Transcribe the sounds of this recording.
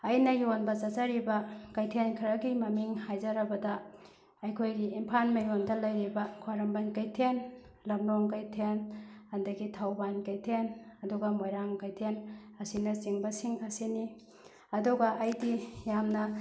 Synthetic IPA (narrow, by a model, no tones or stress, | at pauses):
ɐjnɐjonbɐt͡ʃɐzaɾibɐkɐjtʰenkʰɐɾɐɡimɐmiŋhajzɐɾɐbɐdɐ | ɐjkʰojɡiimpʰanmɐjondɐlɐjɾibɐkʰaɾɐmbɐnkɐjtʰen | lɐmloŋkajtʰenhɐndɐɡitʰawbankɐjtʰenɐduɡɐmojɾaŋkajtʰenɐsinɐt͡ʃiŋbɐsiŋɐsini | ɐduɡɐʔːjɡijamnɐ